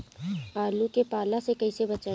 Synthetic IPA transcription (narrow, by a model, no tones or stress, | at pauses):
aːlukepaːlasekɐisebɐt͡ʃaː